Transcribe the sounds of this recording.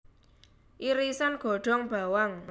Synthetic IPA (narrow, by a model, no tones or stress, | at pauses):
ʔiɾisanɡ̥ɔ̤ɖ̥ɔ̤ŋb̥a̤waŋ